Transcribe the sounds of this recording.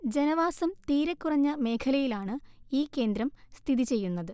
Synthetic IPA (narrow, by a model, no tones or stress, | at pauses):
d͡ʑenɐʋaːsɐmt̪iːɾɐkːurɐɲːɐme̞ːkʰɐlɐjilaːɳɨiːkːe̞ːnd̪ɾɐmst̪ʰiðit͡ɕe̞jːunːɐðɨ